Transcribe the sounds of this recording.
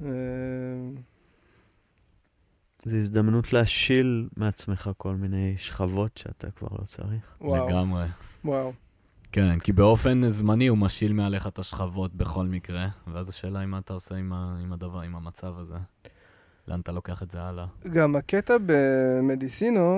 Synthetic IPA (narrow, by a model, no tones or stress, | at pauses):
e | zeizd̪amnutleaʃilmeat͡sme̞χako̞lmine̞jʃχavo̞tʃea̰tʰa̰kva̰ʁlʔo̞̰t͡sa̰ʁiχwleɡamʁe̞waw | ke̞nkibeo̞fe̞nzmaniumaʃilmeale̞χat̪aʃχavo̞t̚be̞χo̞lmikʁe̞veazaʃe̞ːlaimaːt̪aose̞imaimad̪avaʁimamat͡savaze̞ | leʔanat̪alo̞ke̞aχetzealaɡamaket̪abemed̪isino